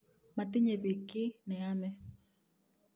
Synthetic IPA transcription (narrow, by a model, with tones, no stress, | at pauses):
ma˨tɪ˦ɲe˨be˨kːɪ˦nɛ˨a˦mɛ˦